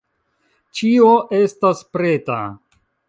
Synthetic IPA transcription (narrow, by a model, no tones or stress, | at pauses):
t͡ʃioʔe̞staspɾe̞ta̰